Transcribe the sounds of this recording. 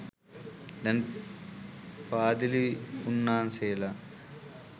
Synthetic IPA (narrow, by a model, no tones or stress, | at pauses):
d̪ɐn | paːd̪iliunːaːnseːla